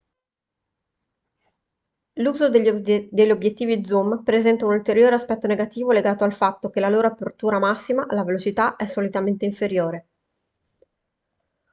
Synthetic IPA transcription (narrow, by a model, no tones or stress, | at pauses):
luːzod̪eʎd̪eʎːobjet̪ːiːvid̪zumpɾezɛnt̪aunult̪eɾjoːɾeaspɛt̪ːoneɡat̪iːvoleɡaːt̪oalfat̪ːok̟elaloːɾoapːert̪uːɾamasːimaʔalavelot͡ʃit̪aʔɛsːolit̪ament̪eiɱfeɾjoːɾe